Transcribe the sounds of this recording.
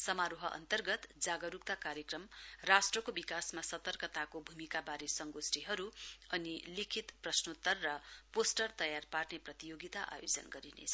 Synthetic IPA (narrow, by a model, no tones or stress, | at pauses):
sʌmaɾoɦʌʔʌ̰nt̪ʌrɡʌt̪d͡zaɡʌɾuk̚t̪akaɾjekrʌmrasʈrʌkobikasmasʌt̪ʌrkʌt̪akobʱumikabaɾesʌŋɡosʈiɦʌɾuʌnilikʰit̪prʌsnut̪ʌrːʌposʈʌrt̪ʌjarparneprʌt̪ijoɡit̪aʔa̰jod͡zʌ̰nɡʌɾinḛʌ